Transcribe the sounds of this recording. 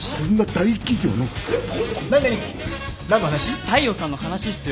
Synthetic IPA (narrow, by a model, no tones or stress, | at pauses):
sõ̞nːad̪aikʲiɡʲo̞̰ːnoõnãnaɲi | naat̪aɕit̪aio̞sãnːohanaɕisɨjo